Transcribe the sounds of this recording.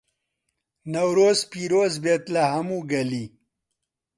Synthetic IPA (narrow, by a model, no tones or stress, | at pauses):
nɐwɾozpiɾozbet̪laɦɐmuɡɐli